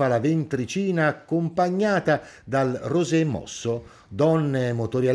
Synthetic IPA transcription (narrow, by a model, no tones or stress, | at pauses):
alavent̪ɾit͡ʃiːnaːkːompaɲːaːt̪a | d̪alrozemɔ̰sːo | d̪ɔnːemot̪oɾja